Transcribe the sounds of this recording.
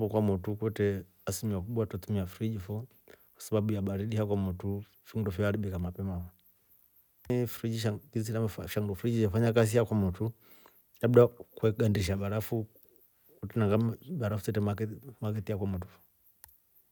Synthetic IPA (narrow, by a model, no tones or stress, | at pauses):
bɔkwamutukwɛtɛ | asimiwakuɓwatatumiafuɾid͡ʒifɔ | kwḁsabaɓujaɓaɾiɗihakwamutu | fuŋdɔfɔaɾiɓikamapɛmaa | fɾid͡ʒiʃaɡizinaʃaŋɡɔfɾid͡ʒid͡ʒafaɲakas̬iakwamutu | jaɓudakwɛɡandiʃ̬aɓaɾafu | kutɛnaŋɡabaɾafusɛtɛmakmakɛtijakwamut̬ufɔ̥